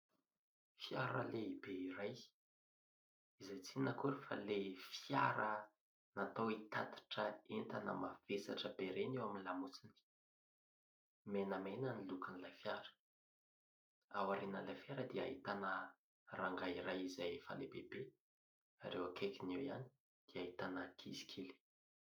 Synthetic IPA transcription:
fiaɾə̰leibeiɾaj | izajt͡sinəkuɾifa̰lefiaɾə | nat̪owit̪at̪ḁʈ͡ʂəent̪anə̰mav̥esa̰ʈ͡ʂəbeɾenewaminilamut͡sini̥ | menəmenənilukənilajfjaɾə̥ | awaɾenənlajfjaɾəd̪ia̰ɦit̪anə | raŋɡaiɾajizajfa̰lebebe | a̰ɾewakʰekiniwia̰ni̥ | d̪̥iait̪anəkʰisi̥kʰili̥

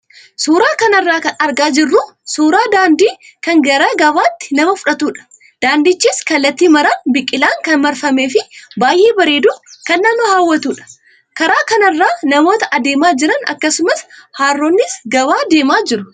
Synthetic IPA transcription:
suːɾaːkɐnɐrːaːkɐnɐɾɡaːd͡ʒɪrːʊsuːɾaːd̪aːnd̪iː | kɐŋɡɐɾɐɡɐbaːt̪ːɪ̥nɐmɐfʊᶑɐt̪uːᶑɐ̥ | d̪̥aːnd̪ɪt͡ʃːiːskɐlːɐt̪ːiːmɐɾɐnbɪkʼːɪlaːŋkɐnmɐɾfɐme̞ːfɪbaːjʔeːbɐɾe̞ːd̪ukɐnːɐnːʊhaːwːɐt̪uːᶑɐ̥ | kɐɾaːkɐnɐrːaːnɐmo̞ːt̪ɐʔɐd̪e̞ːmaːd͡ʒɪɾɐnɐ̰kːɐsʊmɐshaːrːoːnːɪsɡɐbaːd̪e̞ːmaːd͡ʒɪɾʊ

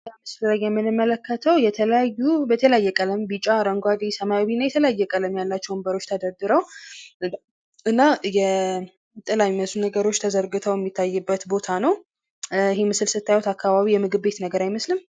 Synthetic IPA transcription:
amɨslɾəjjɛmːɨnɨmːələkːət̪ʰəwjɛt̪ʰələjajːubət̪ʰələjajːɛkʼələmbɨt͡ʃʼaɾəŋɡʷad̪isəmajaβinːajɛt̪ʰələjajːɛkʼələmjalːat͡ʃːɛwmbəɾo̞t͡ʃːt̪ʰəd̪əd̪ɨɾəw | ʔɨnːajɛ | t̪ʼɨlamiməslunəɡəɾo̞t͡ʃːt̪ʰəzəɾɡɨt̪ʰəwjɛmːit̪ʰːajːɨbːət̪bo̞t̪ʰanəw | ɪɦemɨsɨlsɨt̪ʰːajwot̪akːaβaβijɛmɨɡɨbbe̞t̪nəɡəɾajməslɨm

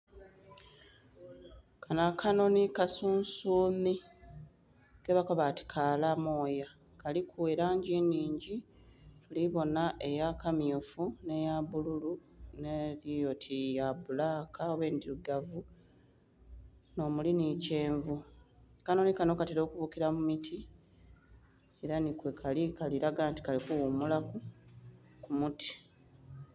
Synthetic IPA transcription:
kʰanakʰano̞nikasuːnsuːmi | keβakoβati̥kʰaːlamo̞ːja | kalikʰueɾaːɲɟiniːɲɟi | tuliβo̞naʔe̞jakamjofune̞jaβululuneɾijo̞tʰijaβulaːkaowe̞ːndiɾuɡavu | no̞mulinice̞ːɱvu | kanonikano̞kateɾo̞ːkuβukiɾamumitʰi | e̞ɾanikwekʰalikaliɾaɡaːnti̥kalikuwumulaku | kumutʰi̥

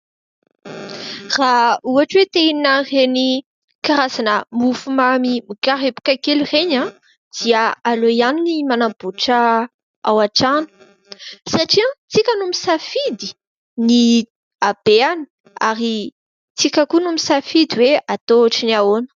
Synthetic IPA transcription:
rauaʈ͡ʂwet̪einnareni | kaɾazanəmufumamimikaɾepu̥kʲakelireɲã | d̪̥iəalojaninimanab̥uʈ͡ʂə | awaʈ͡ʂanu̥ | saʈ͡ʂiãt͡sikʲənumisafid̪i | ni | ab̥eani̥ | aɾi | t͡sikʲəkunumisafid̪iweat̪oaʈ͡ʂiniaonə̥

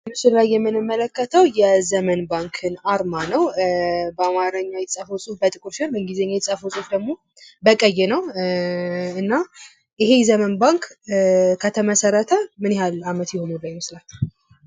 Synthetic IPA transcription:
ɨmɨsɨllajːɛmːɨnɨmːələkːət̪ʰəwjɛzəmənbaŋkʰɨnaɾmanəwbəamaɾəɲːawjɛt̪sʼəfosʼufbət̪ʼɨkʼuɾʃnbəŋɡizəɲːajɛt̪sʼəfosʼufd̪əɡmo̞ | bəkʼəjːɛnəw | ɨnːa | ʔɪɦe̞jɛzəmənbaŋk | kʰːət̪ʰəməsəɾət̪ʰəmɨnɪhalamət̪jɪhonɨbəjmɨslat͡ʃː

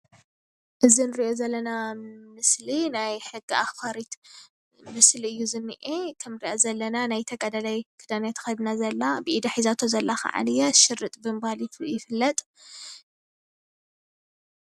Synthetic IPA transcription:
ʔɨzinɨɾiʔo̞zɐlːɐnamɨslinajħɨɡːiafkaɾit̪ | mɨsliɨjːuzɨnːɨ̰ʔekʰɐmɨɾiʔozɐlːɐnanajt̪ʰɐɡad̪alajkʰɨd̪anat̪ʰɨ̥xɐd̪nazɐlːabɨʔid̪aħizat̪ʰozɐlːaxa̰ʕa̰nɨjaʃɨrːɨt̪ʼbɨmɨbhalit̪ʰjɪfɨlːɐt̪ʼ

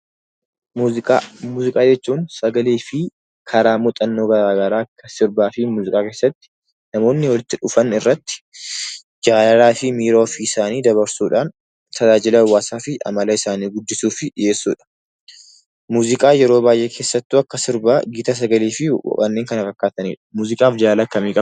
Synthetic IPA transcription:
muːɪkʼaːmuːzɪkʼaːd͡ʒɛt͡ʃːuːnsɐɡɐliːfɪ | kʰɐɾaːmʊt̪ʼɐnːo̞ːɡɐɾaːɡɐɾaːɐkːɐsɪɾbaːfɪmuːzɪkʼaːke̞ːsːɐt̪ːɪ̥ | nɐmo̞ːnːɪwɔlɪt̪ːɪᶑʊfɐnɪrːɐt̪ːɪ̥ | d͡ʒaːlɐɾaːfɪmiːɾoːfiɪsaːniːd̪ɐβɐɾsuːᶑaːn | t̪ɐd͡ʒaːd͡ʒɪlɐɐwːaːsaːfɪʔɐ̰mɐlɐɪsaːniːɡʊd̪ːɪsuːfɪje̞ːsːuːᶑɐ̥ | muːzɪkʼaːjɛɾo̞ːbaːjʔeːkʰe̞ːsːɐt̪ːuɐkːɐsɪɾbaːɡɪːt̪ɐs̬ɐɡɐliːfɪw̰kʼɐnːe̞ːŋkɐnɐfɐkːaːt̪ɐnḭːᶑɐ̥muːzɪkʼaːfd͡ʒaːlakːɐmiːkʼɐ

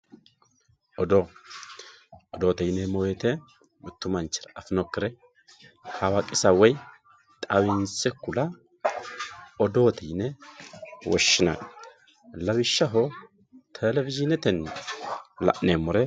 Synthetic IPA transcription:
ʔɔd̪o | ɔd̪oːt̪ɛjɪnɛmojɛt̪ɛ | mʊt̪ːʊmɐnt͡ʃːɪɾɐɐfɪnɔkːɪɾɛ | hawakʼɪsɐwɔj | t̪ʼɐwɪnsɛkːʊlɐ | ɔd̪o̞ːt̪ʰɛjɪnɛ | wɔʃːɪna̰ | lɐwɪʃːɐɦɔ | t̪ʰɛlɛvɪzɪnɛt̪ɛn | lɐ̰ʔnemʊɾɛ

